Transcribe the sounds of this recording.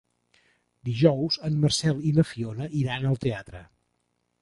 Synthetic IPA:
d̪iʒɔwzəmːərsɛlˠinəfionəʔiɾanəlˠt̪eat̪ɾə̰

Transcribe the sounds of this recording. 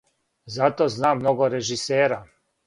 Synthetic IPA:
zat̪oznaːmːnoɡoɾeʒiseːɾa

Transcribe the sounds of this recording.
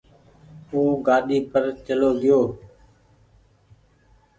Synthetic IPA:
uːɡaːɗiːpəɾt͡ʃəloːɡɪjoː

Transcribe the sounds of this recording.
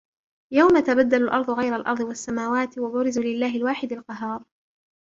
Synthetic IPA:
jawmat̪abad̪ːalalʔɑɾˤd̪ˤʊɣajɾalʔɑ̰ɾˤd̪ˤɨwasːamaːwaːt̪wabʊɾɪzulɪlːaːɦɪlwaːħɪd̪alqɑɦɑːɾˤ

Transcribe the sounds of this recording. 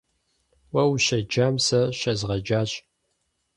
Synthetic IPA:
wɐwɕɐd͡ʒaːmsɐɕɐzʁɐd͡ʒaːɕʼ

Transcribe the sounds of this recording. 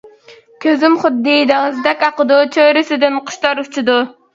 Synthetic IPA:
kʲʰøzɪmχʊd̪ːid̪ɪŋɨzd̪ɛkʲɑqəd̪ut͡ʃʰøɾɪsɪd̪ɪnqʰʊ̥ʃt̪ɑɾut͡ʃʰid̪u

